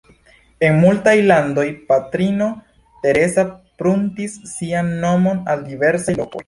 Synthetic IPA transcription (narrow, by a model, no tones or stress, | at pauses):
e̞nmultajlando̞jpatɾino̞ | te̞ɾe̞sapɾuntisːianːo̞mo̞naldive̞ɾsajlo̞ko̞̰j